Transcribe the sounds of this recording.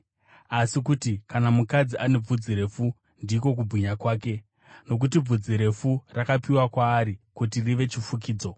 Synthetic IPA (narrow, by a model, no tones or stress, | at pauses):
asikutikanamukad͡ziʔane̞b͡vud͡ziɾe̞fu | ndiːk̬o̞k̬ubʱwiɲakwaːke̞ | no̞k̬ut̬ib͡vud͡ziɾe̞furakapiwakwaːɾikutiriʋe̞t͡ʃifuk̬iːd͡zo̞